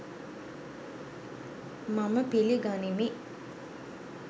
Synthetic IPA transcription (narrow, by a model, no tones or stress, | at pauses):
maməpiliɡanimi